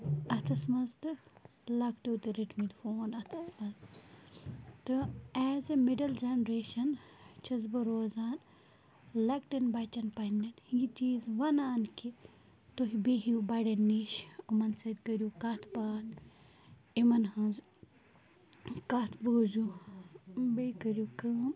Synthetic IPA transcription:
ɐt̪ʰɐsmɐzt̪ɨlɐkʈeːt̪ɨɾiʈmit̪foːnɐt̪ʰɐsmɐz | t̪ɨɛːzemeɖɐld͡ʒenɾeːʃɐnt͡ʃʰɐzbɐɾoːzaːn | lɐkʈinbɐt͡ʃɐnpɐnːɐnjit͡ʃiːzʋɐnaːnki | t̪oɦibeɦiubɐɖɐnːiʃumɐnsɐd̪kɐɾjukat̪ʰbaːt̪ | imɐnɦɐ̃z | kat̪ʰboːzʲu | bekɐɾʲjukɨːm

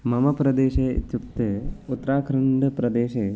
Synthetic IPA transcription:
mɐmɐpɾɐd̪eːʃḛːt̪jukt̪eːut̪ːɾaːkʰɾɐɳɖɐpɾɐd̪eːʃeː

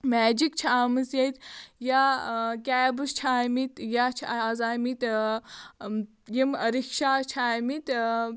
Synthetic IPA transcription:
mɛːd͡ʒikt͡ʃʰaːmɨsjɐjt̪jakʲɛːbɨst͡ʃʰaːmit̪jat͡ʃʰazaːmit̪ | jimɐɾikʃaːt͡ʃʰaːmit̪

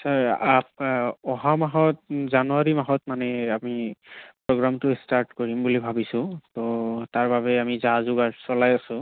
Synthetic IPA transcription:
saɹapɔɦamaɦɔtzanuaɹimaɦɔtmanɛamipɹɔɡɹamtʊstaɹtkoɹimbulibʱabisʊ̃totaɹbaβɛamizazʊɡaɹsɔlajasʊ̃

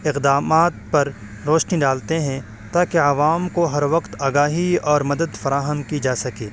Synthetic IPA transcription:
ɪqd̪aːmaːt̪pɐɾ | ɾoːʃniɖaːlt̪eɦɛ̃ | t̪aːkeɐʋaːmkoɦɐɾʋɐqt̪aːɡaːɦiɔːɾmɐd̪əd̪fɐɾaːɦəmkid͡ʒaːsɐkeː

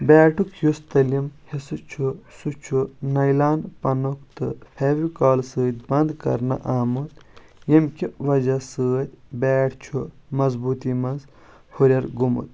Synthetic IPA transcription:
bɛːʈʰukʰjust̪ɐlimhisɨt͡ʃʰusut͡ʃʰunɐjlaːnpɐnokt̪ɨpʰeːʋikaːlsɨːt̪̚ʲbɐnd̪kɐ̰ɾnɐ̰ʔaːmut̪jɐmkiʋɐd͡ʒɐsɨːt̪ʲbɛːʈʰt͡ʃʰumɐzbuːt̪imɐnz | huɾʲɐɾɡumṵt̪̚

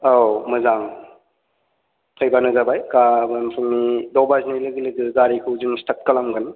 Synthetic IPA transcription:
awmɯzaŋ | pʰajbanɯzabajkabanpʰɯŋnidɔbaznilɯɡilɯɡɯɡaɾikʰɯwzɯŋstat̚kɐlamɡɯn

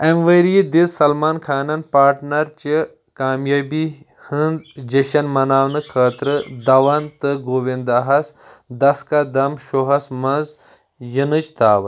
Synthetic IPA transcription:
emʋɐɾid̪izsɐlmaːnkʰaːnɐnpaːɾʈnɐɾt͡ʃi | kaːmjaːbi | hɨnd̪d͡ʒɐʃɐnmɐnaːwnɨkʰɐːt̪ɾɨd̪ɐʋɐnt̪ɨɡoːʋind̪aːɦɐs | d̪ɐskad̪ɐmʃoɦɐsmɐnz | jinɨt͡ʃt̪aːʋɐ

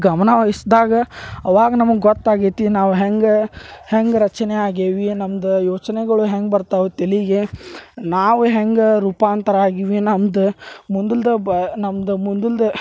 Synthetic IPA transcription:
ɡɐmɐnɐʋɐɦisd̪aːɡɐɐʋaːɡɐnɐmɐɡɡɔt̪ːaːɡit̪inaːʋuɦeŋɡheŋɡɾɐt͡ʃɐneaːɡiːʋinɐmɐd̪ɐjoːt͡ʃɐneɡɐɭuɦeŋɡbɐɾt̪aʋut̪iliɡenaːʋuɦeŋɡɾuːpaːnt̪ɐɾaːɡiʋinɐmd̪ɐmund̪uld̪ɐbnɐmd̪ɐmund̪uld̪ɐ

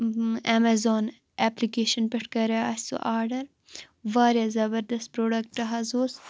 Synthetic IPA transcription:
ɛmɐzoːn | ɛplikeːʃɐnpeʈkɐɾeaːsṵʔaːɾɖɐɾ | ʋaːɾjazɐbɐɾd̪ɐst̪̚pɾoːɖɐk̚ʈʈɐɦɐzuːs

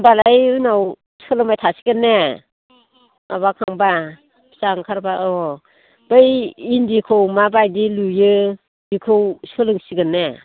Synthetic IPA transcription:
balajunaw | sɯlɯmajtʰasiɡɯnːe | a̰βakʰaŋba | saŋkʰaɾbaɔ | b̥ɯjindikʰɯwmabajdilujɯ | dikʰɯwsɯlɯŋsiɡɯnːe

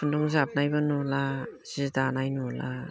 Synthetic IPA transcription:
pʰɯndɔŋzap̚najbanɔlaz̥idanajnɔla

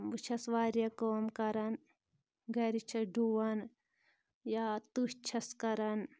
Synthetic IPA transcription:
ʋut͡ʃʰɐsʋaːɾjɐkoːmkɐɾɐn | ɡɐɾit͡ʃʰɐɖuwɐn | jaːt̪uʃt͡ʃʰɐskɐɾɐn

